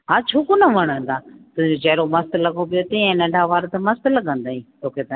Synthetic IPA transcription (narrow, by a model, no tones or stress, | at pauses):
ɦaːt͡ɕʰoːkonɐʋɐɽ̃ə̃nd̪aːt̪ʊ̃ɦɪ̃ɲd͡ʑod͡ʑɐɦɾomɐst̪lɐɡopijot̪ɐ̃ɛ̃nɐ̃ɳɖʱaʋaːɾt̪ɐmɐst̪lɐɡʱə̃nd̪aːĩːt̪ʰoːkʰet̪ɐ